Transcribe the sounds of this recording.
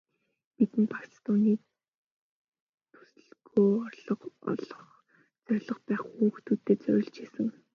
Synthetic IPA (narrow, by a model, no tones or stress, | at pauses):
pit̪ɘ̆npḁkst̪uniː | t̪ʰu̥sɮɡoːɔrɮɞ̆qɔ̰ɮɞ̆χ | t͡sœrʲɮɞ̆χpæːχuːxt̪ʰuːt̪ːeːt͡sœɾʲɪ̆ɮt͡ɕeːsɘ̆ŋ